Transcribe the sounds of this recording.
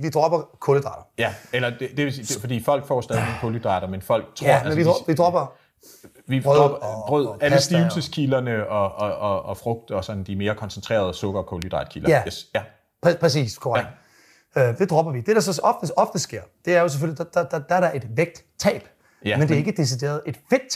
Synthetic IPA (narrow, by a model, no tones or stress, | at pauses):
ʋid̥ʁɒb̥ɐkʰoləd̥ʁɑ̈ɾ̥ɐjæelɐd̥ed̥eʋesi̥fɒ̽d̥ḭːfɒ̽l̰ɡ̥fɒːsd̥ɛnnkʰoləd̥ʁɑ̈ɾɐmenfɒ̽l̰ɡ̥̚t͡sʰʁɔ̰menʋi̥ʋid̥ʁɔ̽b̥ɐ | ʋi̥ʁœð̥ʁœð̰kæləsd̥iːl̩səskʰilɐnəɒɒɒːfʁɔ̽ɡ̥̚d̥ɒ̽sɒ̽n̩d̥ime̝ːɐkʰɒ̽nsənt͡sʰʁḛːɐð̞ˠsɔ̽ɡ̥ɐkʰolyd̥ʁɑ̈d̥̚kʰilɐjæ | pʰpʰʁɛs̬ḭːskʰoɑ̰̥ | ød̥e̝d̥ʁɒ̽b̥ɐʋid̥e̝ɾ̥ɑ̈sɒ̽ɒfd̥əɒ̽fd̥əsɡ̥e̝ɐ̰d̥e̝æɐjo̝s̬ef̬ølidad̥d̥d̥ɑæɐɾɑ̈ʔe̝d̥ʋeɡ̥̚d̥ | t͡sʰɛ̰ːb̥ | mendeɐe̝ɡ̥əd̥e̝s̬id̥e̝̰ːɐðˠe̝d̥fe̝d̥